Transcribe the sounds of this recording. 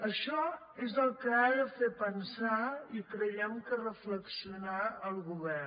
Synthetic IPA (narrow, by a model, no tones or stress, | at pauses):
əʃɔ | ezəlˠkəaðəfepənsaikɾəjɛmkərəfləksiunaəlˠɣuβɛr